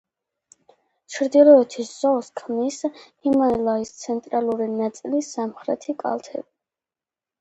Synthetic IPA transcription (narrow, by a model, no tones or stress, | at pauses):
t͡ʃʰɾd̪ilˠɔɛt̪ʰisz̥ɔskʰmnishimanɛlˠaist̪sʰɛnt̪ʼɾalˠuɾinat̪sʼilisamχɾɛt̪ʰikʼa̰lˠt̪ʰɛ̰bi